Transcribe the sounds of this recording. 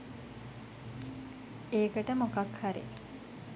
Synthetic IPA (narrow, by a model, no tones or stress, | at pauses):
eːkəʈəmokakhaɾḭ